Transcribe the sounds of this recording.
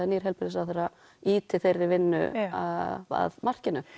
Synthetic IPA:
aniɾɦɛlpɪɾɪsaðθejɾa | iːt̪ʰɪθejrːɪvɪnːʏ̰a̰a̰ðmar̥cɪnʏ

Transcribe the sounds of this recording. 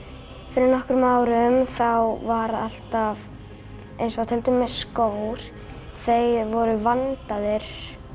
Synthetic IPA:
fɪɾɪɾnɔhkɾʏmawɾʏmθawvaɾa̰l̥t̪av | ejnsɔat̪ʰɛlt̪ʏmːɛskoːwɾ̥ | θejvɔɾʏvant̪aðɪɾ̥

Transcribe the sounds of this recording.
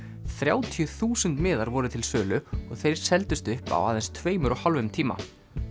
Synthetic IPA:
θɾjaːwt̪ʰijʏθuːsʏnt̪mɪːðaɾvɔːɾʏt̪ʰɪlsœːlʏɔɣθejɾ̥sɛlt̪ʏst̪ʏhpa̰waːðɛnst̪ʰveːjmʏɾɔɣhalvʏmt̪ʰiːma̰

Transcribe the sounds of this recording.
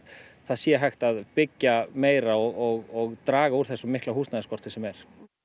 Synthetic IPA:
θaðsjɛɦajxt̪aðpɪcːameːjɾaɔɣɔɣɔɣt̪ɾaːɣauɾ̥θɛsɔmɪhklahuːstnaðɪskɔr̥t̪ɪsɛmɛɾ̥

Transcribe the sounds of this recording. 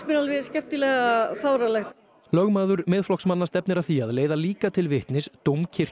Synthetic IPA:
mɪnalvɪscɛp̚t̪ɪlɛɣafaːwɾalɛxt̪ | lœɣmaːðʏɾmɪːðflɔksmanːast̪ɛpnɪɾaθiaðleːjðaliːkat̪ʰɪlvɪht̪nɪst̪owmcʰɪr̥

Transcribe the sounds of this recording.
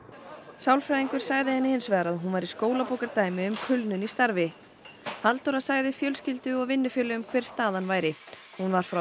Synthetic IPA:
sawlfɾajiŋkʏɾ̥saɣðɪhɛnːɪhɪnsvɛːɾaðɦunvaɾiskoːwlapowkaɾt̪aːjmɪʏmkʰʏlnʏnist̪aɾvɪ | halt̪oɾasaːɣðɪfjœlscɪlt̪ʏɔɣvɪnːʏfjœːlɪʏmkʰvɛr̥st̪aːðanvaːjɾɪ | hunvaɾ̥fɾa

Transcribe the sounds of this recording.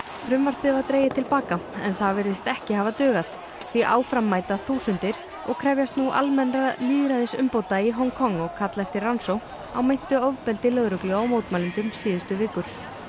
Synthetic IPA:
fɾʏmvaɾ̥t̪̚pɪvat̪ɾeːjɪt̪ʰɪlpaːkaɛ̰nθavɛɾðɪst̪ɛhcɪhavat̪œːɣaθ | θiʔa̰ːwfɾamːaːjt̪aθuːsʏnt̪ɪɾ̥ | ɔɣkʰɾɛvjast̪nuʔa̰lmɛnɾaliːðɾaðɪsʏmpoːwt̪aiɦɔŋkʰɔŋːɔɣkʰat̪lajft̪ɪransow | awmejn̥t̪ʏɔvpɛlt̪ɪlœɣɾʏklʏɣawmoːwt̪maːlɪnt̪ʏmsiːðʏst̪ʏvɪːkʏɾ̥

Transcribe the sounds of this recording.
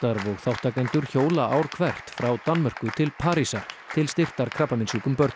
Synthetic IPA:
t̪aɾvɔɣθawht̪akɛnt̪ʏɾ̥çoːwlaʔawɾ̥kʰvɛr̥t̪fɾawt̪anmœr̥kʏt̪ʰɪlpʰaːɾisaɾ̥ | t̪ʰɪlst̪ɪr̥t̪aɾkʰɾapːamɪnsiːkʏmpœɾt̪n

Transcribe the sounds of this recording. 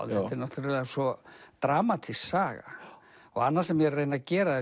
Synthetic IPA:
ðɛɪnɔt̪ɾɛsɔt̪ɾaːmat̪ʰisaːɣa̰ɔɣanːaɾsɛmjɛɛreːjnacɛːɾað

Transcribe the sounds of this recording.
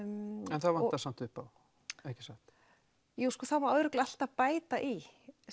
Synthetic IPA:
ɛnθaðvant̪asam̥t̪ʏhpaw | ehcɪsaht̪ | juːwskɔːθavaɾœːðɾʏklal̥t̪apaːjt̪aʔi

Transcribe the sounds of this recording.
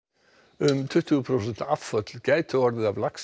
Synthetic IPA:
ʏmt̪ʰʏht̪ʏɣpʰɾows̬ɛn̥t̪aafːœt̪l̥caːjt̪ʰʏɔɾðɪðavlaks

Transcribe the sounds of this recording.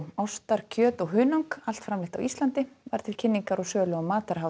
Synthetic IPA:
awst̪aɾ̥cʰœːt̪ɔɣɦʏːnawŋkal̥t̪fɾamlɪht̪a̰wist̪lant̪ɪva̰ɾ̥t̪ʰɪlcʰɪnːiŋkaɾɔɣsœːlœɣamaːt̪aɾaw

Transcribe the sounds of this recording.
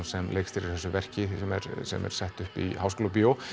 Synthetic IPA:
nsɛmleːjkst̪ɪɾɪɾ̥θɛsːʏvɛr̥cɪɛmɛ̰ɾsɛ̰mɛ̰ɾ̥sɛht̪ʏhpihawskoːlap̬joːw

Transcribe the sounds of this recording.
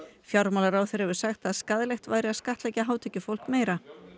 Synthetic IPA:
fjawɾmawlaɾawθɛɾ̥hɛvʏɾ̥saxt̪aðskaðlɛxt̪vaːjɾɪaðskaht̪lɛjcaɦaːwt̪ʰɛcːʏfowl̥kmeːjɾa

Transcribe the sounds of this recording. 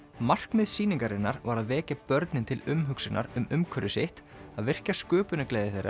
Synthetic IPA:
mar̥kmɪðsiːniŋkaɾɪnːaɾvaɾaðvɛːcapœɾt̪nɪnt̪ʰɪlʏmɦʏksɪnʔa̰ɾʏmʏmkʰœɾʏsɪht̪ | aðvɪr̥caskʏːpʏnɪkleːjðɪθejɾʔa̰

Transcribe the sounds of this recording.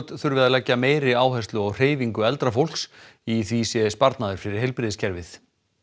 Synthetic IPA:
t̪θʏɾvɪðalɛcːameːjɾɪaːwɦɛst̪lʏɔɣr̥eːjviŋkʏɛlt̪ɾafowl̥ksiθvisjɛspaɾt̪naðʏɾ̥fɪɾɪɾ̥ɦejlpɾɪðɪscʰɛɾvɪθ

